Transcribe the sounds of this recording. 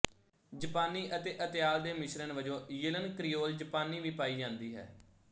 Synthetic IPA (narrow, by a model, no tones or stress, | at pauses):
d͡ʒəpaːniːʔət̪eːʔət̪ɪjaːld̪eːmɪʃɾənʋəd͡ʒõːjɪlənkɾɪjoːld͡ʒəpaːniːʋiːpaːiːd͡ʒãːnd̪iːɦɛ̰ː